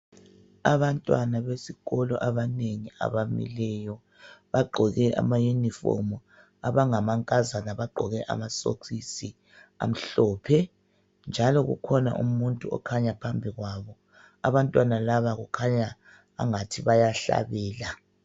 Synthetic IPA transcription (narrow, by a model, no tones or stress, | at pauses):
aβantʼwanaβesiɣɔlɔ̰ʔaβaneŋia̰βamḭlɛjɔ | βaɡ͡ǃʱɔɣɛʔa̰majunifɔ̰mu | aβaŋamaŋkʼazanaβaɡ͡ǃʱɔɣɛʔa̰maso̰kisi | a̰m̩ɬɔːpʰɛ | nd͡ʒʱalɔɣṵkʰɔna̰ʔumuntʼuɔ̰kʰaɲapʰambʱiɣwaːβɔ | aβantʼwanalaβaɣukʰaɲa | a̰ŋatʰiβajaɬa̰βɛːla